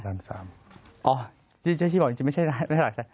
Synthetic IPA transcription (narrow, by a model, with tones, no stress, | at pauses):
aː˧˩nsa̰ː˩˦m | ʔɔː˧˩ | t̪ʰiː˥˩t͡ɕ̪ːʰiː˥˩˨i˧m˥˩t͡ɕʰa˥˩jɾa˧˩mʰ˥˩˧ɾaː˨˩k̚sa˨˧˩